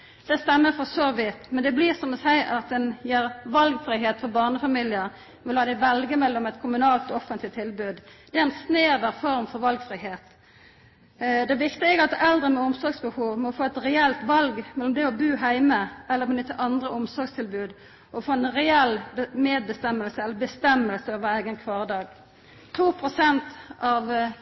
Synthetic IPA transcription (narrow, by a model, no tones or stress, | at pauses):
d̪̥ɛst̪ɛmːəfɔʁsoʋɪt̪mɛnd̪ɛbliːʁsɔmɔsæɪʔɑt̪̚ɛnjiːʁʋɑlɡfʁiːɦeːt̪fɔʁbɑʁnəfɑmilɪəʁ | mɛlhɑːd̪æɪʋɛlɡəmɛlːɔmɛt̪kʰʊmʉnɑːlt̪ɔɔfənt̪lɪt̪ʰːɪlbʉːd̪d̪̥ɛæɛnsneːʋəʁfɔʁmfɔɾʋɑlɡfʁiːheːt̪ | d̪ɛæʋɪkt̪ɪɛɡɑt̪ɛld̪ʁənmɛɔmsɔɾɡsbəhuːʋmɔfoːɛt̪ʁɛɛlt̪ʋɑlɡmɛlːɔmd̪ɛɔbʉːɦæɪməʔɛlːəɾmɛnʏt̪ːəʔɑnd̪ʁəɔmsɔɾɡst̪ʰɪlbʉːd̪ | ɔfoːɛnʁɛɛlbmeːd̪̚bəst̪ɛmːəlsəɛlːəbəst̪ɛmːəlsəɔʋəæɪɡənkʰʋɑːʁəd̪ɑːɡ | t̪ʰuːpʰʁʊsɛnt̪ɑʋ